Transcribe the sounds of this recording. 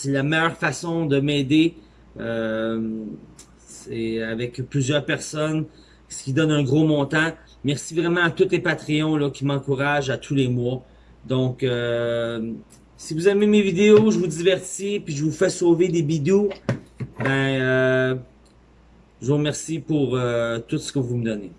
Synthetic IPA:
sɛlamɛjœːʁfasɔ̃d̪əmeːd̪e | ø | sɛavɛkplyzjœːʁpɛʁsɔn | sə̥kʲid̪ɔnɛ̃ɡʁomɔ̃t̪ã | mɛʁsivʁɛmɑ̃at̪ut̪lepat̪ʁiɔ̃lɔkʲimɑ̃kuʁaʒat̪ʰulemwa | d̪ɔ̃kø | sivuzɛvemevid̪eoʒəvud̪ivɛʁsipɥiʒəvufɛsoved̪ebid̪o | bɛ̃ø | ʒəvuʁmɛʁsipuʁøt̪ut̪sə̥kəvuməd̪ɔne

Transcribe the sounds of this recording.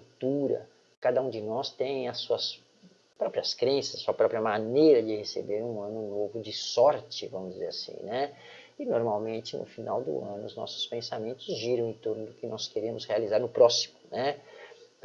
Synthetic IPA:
kt̪uɾɐ̰ | kad̪ɐũd͡ʒɪnɔst̪ẽj̃ɐsːuɐs | pɾɔpɾiɐskɾẽsɐzɐsuɐpɾɔpɾiɐmanejɾɐd͡ʒɪhesḛbeɾũɐ̃nʊnovʊd͡ʒɪsɔɾt͡ʃɪvɐ̃mʊzd͡ʒɪzeɾasḭ̃nɛ | ɪnoɾmawmẽnt͡ʃɪnʊ̰fina̰wd̪ʊ̰ɐ̃nʊ̰ʊznɔ̰sʊ̥spẽsamẽnt̪ʊzʒiɾɐ̃w̃ẽt̪oɾnʊd̪ʊkɪnɔskeɾẽmʊshealizaɾnʊpɾɔsi̥mʊnɛ

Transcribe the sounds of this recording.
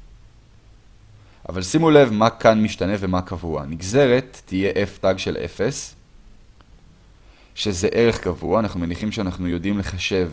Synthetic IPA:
ʔa̰valsimule̞vmakʰanmiʃtane̞ve̞makʰavua̰niɡze̞ʁe̞tːije̞ʔe̞ftaɡʃe̞lʔe̞̰fe̞s | ʃe̞ze̞ʔe̞ʁe̞χkavuaːnaχnumeniχimʃeanaχnujo̞dimle̞χaʃe̞v

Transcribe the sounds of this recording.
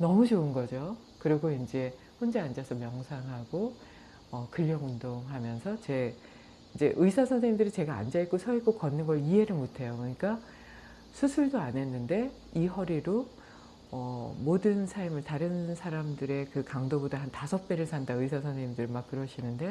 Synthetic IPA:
nʌmut͡ɕoɯnɡʌd͡ʑo | kɯɾiɡoind͡ʑe̞ | ɸond͡ʑeand͡ʑasʰʌmjʌŋsʰaŋɦaɡ̥o | ʌkɯʎːʌŋundoŋɦamjʌnsʰʌt͡ɕe̞ | ind͡ʑe̞ʔɯisʰasʰʌneimdɯɾit͡ɕe̞ɡa̰ːnd͡ʑaik͈osʰʌik͈okʌnːɯnɡʌɭiɦe̞ɾɯɭmotʰe̞jokoɲik͈a | sʰusʰuɭdoane̞nːɯnde̞ | iɦʌɾiɾo | ʌmodɯnsʰaɭmɯɭtaɾɯnsʰaɾamdɯɾe̞kɯkaŋdobodaɦantasʰʌp̚p͈e̞ɾɯɭsʰandaɯisʰasʰʌneimdɯɾimak͈ːɯɾʌɕʰinɯnde̞

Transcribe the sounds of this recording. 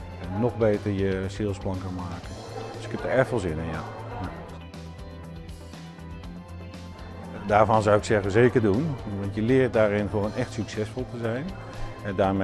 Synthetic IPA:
ɔxbeːtərjəsɪːlˠsplɑŋkəmaːkən | døsɪ̥khɛpdəɛrtfolˠzɪnənjaja | daːɹvɔnzawɪksɛɣənzeːkərdunʋɑntjəlɪːrt̚daːrɪnfoːənɛxtsyksɛsfɔlˠtəzɛjn | ɛdaːɹm

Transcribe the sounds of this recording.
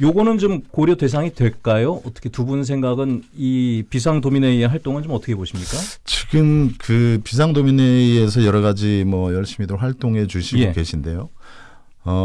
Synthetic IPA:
joɡʌnɯnt͡ɕomkoɾjʌte̞s̬ʰaŋidwe̞ɭk͈ajoʌt͈ʌkʰetubuns̬ʰe̞ŋɡaɡɯnipis̬ʰaŋdomineieɦaɭt͈oŋɯnt͡ɕomʌt͈ʌkʰeboɕʰimɲik͈at͡ɕiɡɯmkɯpisʰaŋdomineies̬ʰʌjʌɾʌɣad͡ʑimwʌjʌɭɕ͈imidɯɭwaɭt͈oŋɦe̞t͡ɕuɕʰijɡokwe̞ɕʰinde̞jo | ʌ

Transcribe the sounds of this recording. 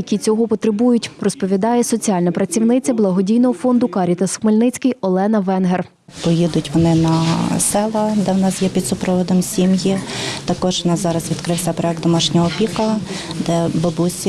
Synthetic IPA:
jɐkʲit͡sʲɔɦɔpɔt̪ɾebujʊtʲrɔspɔʋʲid̪ɑjɛsɔt͡sʲiɑlʲnɐpɾɐt͡sʲiwnɪt͡sʲɐblˠɐɦɔdʲijnɔɦɔfɔnd̪ʊkɑɾʲit̪ɐsxmelʲnɪt͡sʲkɪjɔlˠɛnɐʋɛnɦer | pɔjid̪ʊtʲʋɔnɪnɐsɛlˠɐd̪ɛwnɑsjɛpʲid̪sʊpɾɔʋɔd̪ɔmsʲimjit̪ɐkɔʒʋnɑzɑɾɐzʋʲid̪kɾɪwsʲɐpɾɔɛk̚d̪d̪ɔmɑʃnʲɔɦɔpʲikɐd̪ɛbɔbusʲi

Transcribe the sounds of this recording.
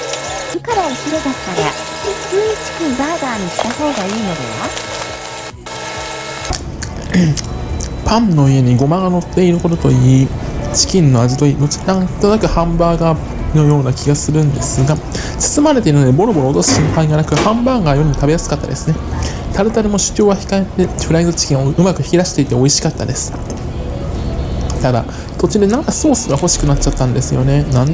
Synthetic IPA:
d͡ʑikaɾaoɕʲiɾɯd̪at̪ːaɾa | sɨːit͡ɕi̥kʲĩmbaːd̪aːɲ̟iɕi̥t̪aho̞ːɡaiːnod̪eβa | pʰãnno̞ie̞ɲ̟iɡo̞maɡano̞t̪ːe̞iɾɯ̟ko̞t̪ot̪o̞iːt͡ɕi̥kʲĩnːo̞ad͡ʑit̪oiːd̪o̞t͡ɕi̥kãkt̪onakɯ̟hãmbaːɡa | no̞jo̞ːnakʲiɡasɨɾɯ̟̃nd̪e̞sɨɡa | t͡sɨ̥sɨmaɾe̞t̪e̞iɾɯ̟nod̪ebo̞ɾo̞bo̞ɾoːt̪o̞sɨ̥ɕĩmpaiɡanakɯ̟hãmbaːɡajoɾɯ̟mot̪abe̞jasɨ̥kat̪ːa̰d̪e̞̰sɨne̞ | t̪ʰaɾɯ̟t̪aɾɯ̟mo̞ɕɨ̥t͡ɕo̞ːɡaçi̥kaet̪ːe̞ɸɾaizɨt͡ɕi̥kʲĩɰ̃oɯ̟makɯ̟çʲiɾaɕi̥t̪e̞it̪e̞o̞iɕi̥kat̪ːa̰d̪esɨ̥ | t̪ad̪a̰ | t̪o̞t͡ɕid̪e̞nãŋkaso̞ːsɨɡaho̞ɕi̥kɯ̟nat͡ɕt͡ɕat̪ːãnd̪e̞sɨjo̞̰ne̞nãn

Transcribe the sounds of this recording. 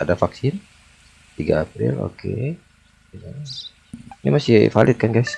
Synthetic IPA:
adafaksɪn | t̪iɡaːpɾɪ̰lo̰kʰe | ja | nimasɪfalɪt̪̚kanɡajs

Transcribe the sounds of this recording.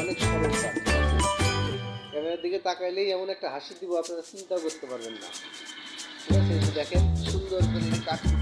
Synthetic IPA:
ɔnekaboɾt̪ama | kɛmeed̪iket̪akajlejɛmonɛk̚ʈaɦaʃid̪iboapnaɾat͡ʃint̪aokoɾt̪epaɾbenːa̰ | naʃeʃed̪ɛkʰenʃund̪ɾoɾpod̪ikaʈ

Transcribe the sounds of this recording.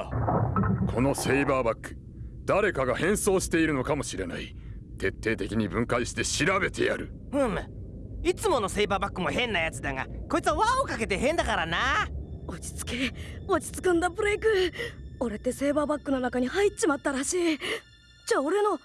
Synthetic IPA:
kʰo̞no̞seibaːbakːɯ̥ | d̪aɾe̞kaɡahẽ̞ɰ̃so̞ːɕi̥t̪e̞iɾɯ̟no̞kamo̞ɕiɾe̞na̰i | t̪e̞t̪ːe̞ːt̪e̞kʲiɲ̟ibɯ̟̃ŋkaiɕi̥t̪e̞ɕiɾabe̞t̪ʰe̞̰ja̰ɾɯ̟ | ɯ̃ | it͡sɨmo̞no̞se̞ibaːbakːɯ̟mo̞hẽ̞nːajat͡sɨd̪aŋa̰ko̞it͡sɨaβaokake̞t̪e̞ɦẽ̞nd̪akaɾanaot͡ɕi̥t͡sɨ̥keot͡ɕi̥t͡sɨ̥kɯ̟̃nd̪apɯ̟ɾeikɯ̟oɾe̞t̪ːe̞se̞ːbaːbakːɯno̞nakaɲ̟ihait͡ɕimat̪ːaɾaɕiː | d͡ʑaːoɾe̞no̞

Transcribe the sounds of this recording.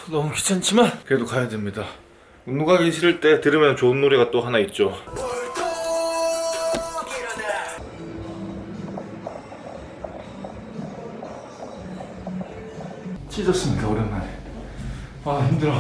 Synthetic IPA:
nʌmukʰi̥t͡ɕʰant͡ɕʰimankɯɾedokajademɲida | ɯnuɡaɡiɕʰiɾiɭt͈e̞tɯɾɯmjʌnt͡ɕoɯnːoɾiɡat͈oɦanait̚t͡ɕ͈o | t͡ɕʰid͡ʑʌs͈ɯmɲidaoɾenːaɾe | açimdɯɾ

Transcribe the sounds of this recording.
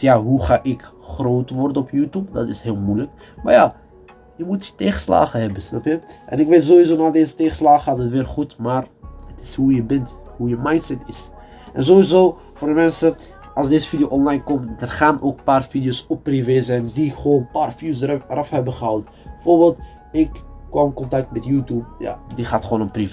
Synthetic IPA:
jaɦuχaːʔɪkχroːtəʋɔrdənɔpjuːtjup̚dɑ̰tɪshɪːlˠmujlək | ma̰rja | jəmutjəteːχə̥sla̰ːχəɦɛbəsnɑpjəʔɛ̰nɪkʋeːtzoːʋizoːnadeːzəteːχə̥slaːχəɑtətʋɪːrχutmaːrətɪ̥shujəbɪnthujəmajntsɛtɪs | ʔɛ̰nzoʋizoː | foːrdəmɛnsə | ʔɑlˠsdeːzəfidijoʔɔnlajnkɔmtdərχaːnʔoːk̚paːrfidijosɔpːriveːzɛjndiχəʋoːnəpaːrfidjosdərʔɑfɦɛbəχəɦawtə | bəfoːrbeːlˠt | ɪkːɔmɪnkɔntɑk̚tmɛtjuːtjuːbja̰diχaːtχəʋoːnənpriv

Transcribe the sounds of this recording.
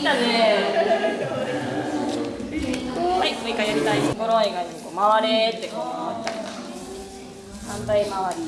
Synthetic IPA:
d̪ane | e | maismoikajoɾʲit̪aioɡoɾoaiɡaɲikoːmaβaɾet̪ːekomaβat͡ɕaae | hãnt̪aimaβaɾʲi

